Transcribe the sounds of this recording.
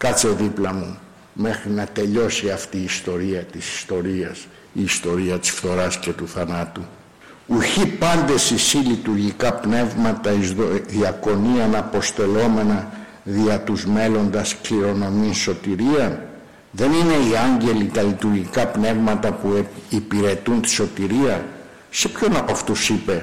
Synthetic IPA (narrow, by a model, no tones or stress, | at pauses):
kɐt͡seðiplɐmu | me̞xɾinɐt̪e̞ʎo̞siɐft̪iːst̪o̞ɾiɐt̪isi̥st̪o̞ɾiɐs | iːst̪o̞ɾiɐt̪i̥sfθo̞ɾɐsce̞t̪uθɐnɐt̪u | uçipɐnd̪e̞sisilit̪uɾʝikɐpne̞vmɐt̪ɐizðoðiɐko̞niɐnɐpo̞st̪e̞lo̞me̞nɐ | ðiɐt̪uzme̞lo̞nd̪ɐskliɾo̞no̞minso̞t̪iɾiɐn | ðe̞nine̞iɐɲɟe̞lit̪ɐlit̪uɾʝikɐpne̞vmɐt̪ɐpuipiɾe̞t̪unt̪i̥so̞t̪iɾiɐ | se̞pço̞nɐpoɐft̪usipe̞